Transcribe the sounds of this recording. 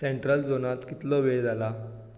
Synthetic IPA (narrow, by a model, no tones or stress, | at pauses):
seɳʈɾəld͡zonat̪kit̪lɔʋed͡zala